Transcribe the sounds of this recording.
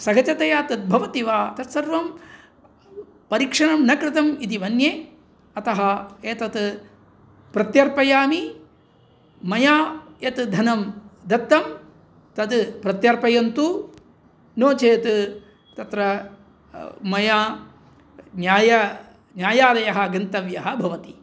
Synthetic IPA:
sɐɡɐt͡ʃɐt̪ɐjaːt̪ɐt̪̚bʱɐʋɐt̪iʋaːt̪ɐt̪sɐɾʋɐm | pɐɾikʂɐɳɐmnɐkɾɪt̪ɐmit̪iʋɐnjeː | ɐt̪ɐɦɐeːt̪ɐt̪ | pɾɐt̪jɐɾpɐjaːmi | mɐjaːjɐt̪d̪ʱɐnɐmd̪ɐt̪ːɐm | t̪ɐt̪pɾɐt̪jɐɾpɐjɐnt̪u | noːt͡ʃeːt̪ | t̪ɐt̪ɾɐ | mɐjaː | njaːjɐ | njaːjaːd̪ɐjɐɦɐɡɐnt̪ɐʋjɐɦɐbʱɐʋɐt̪i

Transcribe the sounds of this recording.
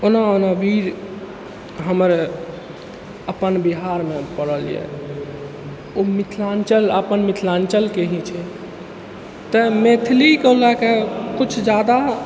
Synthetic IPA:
onaonabʱiɾ | ɦəməɾ | əpənbiɦaɾmepəɽəljɛ̰ | omit̪ʰlant͡ʃələpənmit̪ʰlant͡ʃəlkeɦĩt͡ʃʰɛ | t̪əmet̪ʰlikəlakekut͡ʃʰd͡ʒad̪a

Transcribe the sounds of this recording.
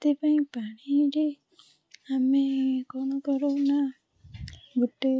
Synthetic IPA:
t̪epaĩpaɽ̃iɾe | amekɔñɔkɔɾona | buʈːe

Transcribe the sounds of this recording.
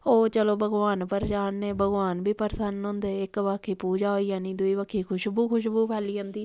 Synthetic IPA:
oːt͡ʃəloːbʱəɡʋaːnpəɾd͡ʒaːnːeːbʱəɡʋaːnbʱiːpəɾsənɦʊ̃ːnd̪eːɪkʋaːkʰiːpuːd͡ʒaːoiːjaːnĩːd̪ʊiːbəːkʰːiːkʰʊʃbuːkʰʊʃbuːpʰɛːliːɦõːnd̪iː

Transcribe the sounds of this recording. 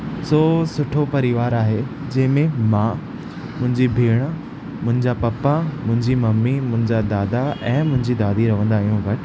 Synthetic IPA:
soːsʊʈʰopɐɾiʋaːɾaːɦe | d͡ʑɐ̃ɦɪ̃mẽmãː | mʊ̃ɦɪ̃ɲd͡ʑibʱeːɽ̃ | mʊ̃ɦɪ̃ɲd͡ʑapɐpamʊ̃ɦɪ̃ɲd͡ʑimɐmːimʊ̃ɦɪ̃ɲd͡ʑad̪aːd̪aɛ̃ːmʊ̃ɦɪ̃ɲd͡ʑid̪aːd̪iɾɐʋə̃nd̪aːijũʋɐʈ

